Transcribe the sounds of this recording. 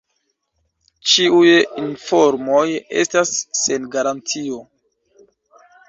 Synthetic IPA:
t͡ʃiujinfo̞ɾmoje̞̰stasːe̞nɡaɾant͡sio̞

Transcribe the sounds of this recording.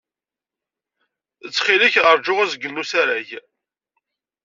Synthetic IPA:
ət͡sːχilɪçʁəɾˤd͡ʒʊʁazɡənːusæɾæç

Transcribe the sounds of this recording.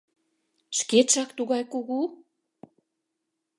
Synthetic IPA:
ʃkeʃɑkt̪uɣɑjkuɣu

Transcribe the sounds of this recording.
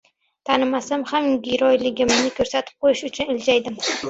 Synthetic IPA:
t̪ʰanɪmasamhamɡʲɪɾɒjlɪɡʲɪmnɪkʰɵɾsat̪ʰɪ̥p̚qʰojɪʃʊt͡ʃʰʊnɪld͡ʒajd̪ɪm

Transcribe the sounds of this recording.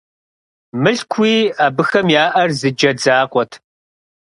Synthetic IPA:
mɨɬkʷʰiːaːbɨxɐmjaːʔɐrzɨd͡ʒɐd͡zaːqʷʼɔtʰ

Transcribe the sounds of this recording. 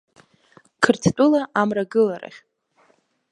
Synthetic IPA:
kʰɨrtʰt͡pʼulaʔamraɡɨlaɾa̰χʲ

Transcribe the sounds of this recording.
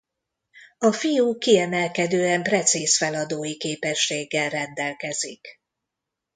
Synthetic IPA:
ɒfijukiɛmɛlkɛd̪øːɛmprɛt̪siːsfɛlɒd̪oːjikeːpɛʃːeːɡːɛlrɛnd̪ɛlkɛzḭk

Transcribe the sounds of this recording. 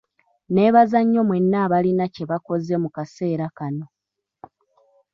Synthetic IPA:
ne̞ːβazaɲːo̞mwe̞nːaːβalinace̞βako̞ze̞mukase̞ːɾakano̞

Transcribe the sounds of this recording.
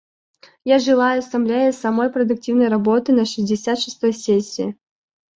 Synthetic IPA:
jaʐɨlˠajʊɐst̪ɐmlʲæjəsɐmojpɾəd̪ʊk̚tʲivnəjɾɐbot̪ɨnəʂɨzʲdʲɪsʲat̪ʂɨ̥st̪o̞jsʲesʲːɪː

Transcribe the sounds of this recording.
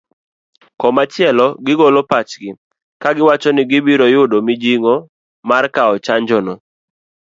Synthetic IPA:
kɔmat͡ʃɪɛlɔɡɪɡolopat͡ʃɡɪ | kaɡɪwat͡ʃɔnɪɡɪbiɾojʊdomɪd͡ʒiŋo | markaɔt͡ʃaɲd͡ʒɔnɔ

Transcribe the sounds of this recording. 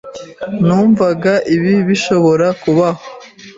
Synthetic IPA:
nuːɱvaɡaʔiβiβiʃo̞βo̞ɾakuβaho

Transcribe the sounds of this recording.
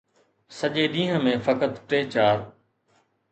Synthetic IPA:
səʄeːɗĩːɦə̃mẽːfəkət̪ʈeːt͡ɕaːɾ

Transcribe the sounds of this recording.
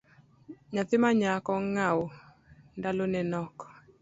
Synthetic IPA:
ɲat̪ɪmaɲakɔŋawo | ndalonɛnɔkɔ̥

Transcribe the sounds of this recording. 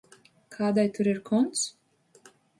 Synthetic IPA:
kʰaːd̪ajt̪uɾiɾkʰɔnt̪s

